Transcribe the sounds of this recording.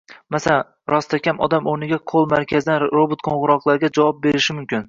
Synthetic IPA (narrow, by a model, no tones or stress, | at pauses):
masa | ɾɒst̪ʰakʲʰamɒ̰d̪amonɪɡʲaqʰolˠmaɾkʲʰazɪd̪anɾobot̪kʰõɴʁʊɾɒqlˠaɾɪɡʲad͡ʒavɒp̚be̞ɾɪʃɪmʊmkʲɪn